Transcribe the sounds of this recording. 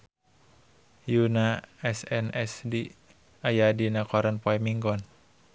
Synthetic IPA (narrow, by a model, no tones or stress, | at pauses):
junaɛsɛnɛsdi | ajadinakɔɾanpɔɛmiŋɡɔn